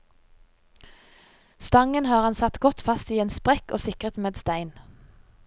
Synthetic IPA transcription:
st̪ɑŋənhɑːʁhɑnsɑt̪ɡɔt̪fɑst̪iːeːnspʁɛko̰ːsɪkʁət̪meːd̪st̪æɪn

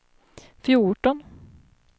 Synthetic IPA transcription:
fjuʈɔn

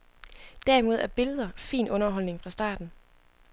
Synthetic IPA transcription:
d̥æɐimo̝ð̞ˠæɐb̥e̝ləð̞ˠɐfḭːnɔ̽nɐɦɒ̽l̰ne̝ŋfʁɑ̈sd̥ɑ̰̈ːd̥n̩

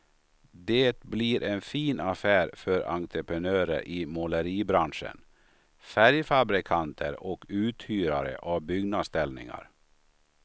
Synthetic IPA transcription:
d̪eːt̪bliɾʔɛnfiːnafæːɾfœɾa̰nt̪ʰɾəpʰɾənøːɾə̰ɾʔɪmɔləɾiːbɾanʂə̰n | fæɾjfabɾɪkʰant̪ʰə̰ɾɔkʉ̟ːt̪hyːɾaɾə̰ʔavbʏɡnad̪st̪ɛlnɪ̰ŋa̰ɾ

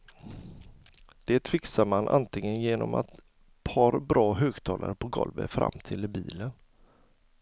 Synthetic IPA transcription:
d̪̥eːt̪fɪksaɾmanʔa̰nt̪ʰlɪŋənjeːnɔmʔa̰t̪ | pʰɑɾbɾɑːɦøːɡt̪ʰɑːlaɾəpʰɔɡɔlvə̰fɾa̰mːt̪ʰɪlɪbiːlən

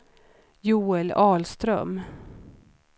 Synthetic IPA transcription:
juːɛlɑːlst̪ɾœ̰m

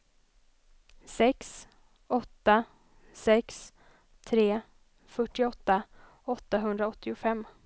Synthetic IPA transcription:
sɛks | ɔt̪ːa | sɛks | t̪ʰɾeː | fœʈːɪɔt̪ːa | ɔt̪ːaɦɵnd̪ɾaɔt̪ːɪʊfɛmː

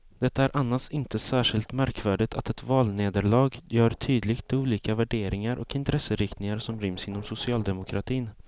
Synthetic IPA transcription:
d̪ɛt̪ːaæɾʔanːasɪnt̪əsæːʂɪlt̪mæɾkvæːɖɪɡt̪ʰat̪ɛt̪vɑːlneːd̪əɭɑːɡjœːɾt̪ʰyːd̪lɪɡt̪̚uːliːkavæɖeːɾɪŋaɾʔɔkɪnt̪ʰɾɛsːəɾɪkt̪nɪŋaɾsɔmɾɪmsɪnːɔmsʊsɪɑːld̪ɛmʊkʰɾat̪ʰiːn

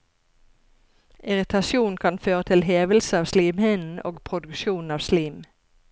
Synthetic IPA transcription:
ʔɪʁɪt̪ʰɑsuːnkʰɑnføːʁət̪ʰɪlɦeːʋəl̩səɑːʋsliːmhenn̩o̰ːɡpʰʁʊd̪ʉkʃuːn̩ɑːʋsliːm

